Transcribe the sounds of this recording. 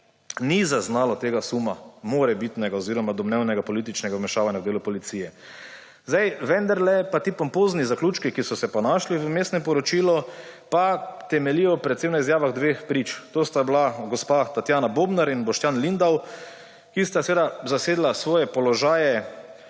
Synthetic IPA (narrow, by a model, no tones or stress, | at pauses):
nizaznaːlɔt̪eːɡasumamoːɾɛbit̪nɛɡaɔziːɾɔmad̪ɔmnɛwnɛɡapɔlit̪it͡ʃnɛɡamɛʃaːʋanjawd̪eːlupɔlit̪sijɛ | zd̪ajʋɛnd̪aɾlɛpat̪iːpɔmpoznizakluːt͡ʃkikisɔsɛpɔnaːʃliʋəmeːst̪nɛmpɔɾɔt͡ʃiːlɔpat̪ɛmɛlijɔpɾɛt̪semnaizjaːʋaɣd̪ʋeːxpɾit͡ʃt̪oːst̪ablaɡɔspat̪at̪jaːnaboːbnaɾinbɔʃt̪janlind̪aw | kist̪asʋeːd̪azaseːd̪lasʋɔːjɛpɔlɔʒaːjɛ